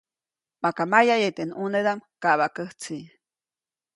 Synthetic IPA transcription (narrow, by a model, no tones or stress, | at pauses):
makamajajet̪enuneðamkaβakəht͡si